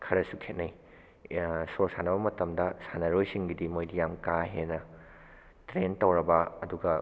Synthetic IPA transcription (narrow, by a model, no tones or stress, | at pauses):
kʰɐɾɐsukʰet̚nɐj | soɾsanɐbɐmɐtɐmdɐsanɐɾojsiŋɡidimojdijamkaɦenɐ | tɾentɐwɾɐbɐɐduɡɐ